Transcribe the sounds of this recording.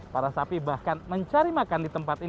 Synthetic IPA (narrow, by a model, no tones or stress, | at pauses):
paɾasapibahkanməɲt͡ʃaɾimakandit̪əmpat̪i